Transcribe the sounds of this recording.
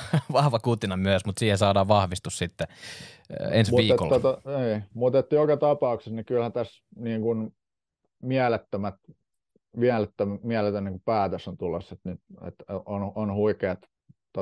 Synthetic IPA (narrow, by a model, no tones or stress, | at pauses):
ʋɑhʋɑkut̪inɑmyæsmut̪siːhesɑːdɑːʋʋɑhʋist̪ussit̪ːe | ensmiːekolːot̪oniːmut̪et̪ːjokɑt̪ɑpɑuksesnikylhæt̪æs | niːŋkun | miælet̪ːømæt̪ | miælet̪ːømmiælet̪ːæniŋkupæːt̪øsont̪ulːosːet̪nyt̪ḛt̪ononhuikeːt̪ | t̪o